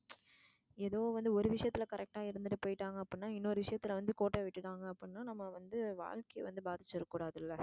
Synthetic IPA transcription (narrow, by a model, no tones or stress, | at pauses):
ɛðoːʋɐnd̪ɯɔɾɯʋɪʂɐjɐt̪ːɪlɐkɐɾʔɛk̚ʈaːɪɾɯnd̪ɯʈːɯpoːjɪʈːaːŋɡɐːpːɽnːaːɪnːoɾɯʋɪʂɐjɐt̪ːɪlʋɐnd̪ɯkoːʈːeʋɪʈːɯʈaːŋɡɐːpːɽnːaːnɐmːɐʋɐnd̪ɯʋa̰ːɻkɐjʋɐnd̪ɯbaːðɪt͡ʃːɐɾɐkːuːɽaːðɪlːɐ